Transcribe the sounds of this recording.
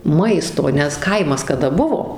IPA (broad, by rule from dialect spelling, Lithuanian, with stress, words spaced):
ˈmɐɪstoː nʲɛs ˈkɐɪmɐs kɐˈdɐ ˈbʊʋoː